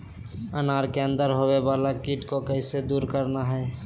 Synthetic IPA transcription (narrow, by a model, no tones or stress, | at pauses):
ənaɾkeə̃nd̪əɾɦowebaːlakiʈkokəɪsed̪uːɾkəɾnaɦɛː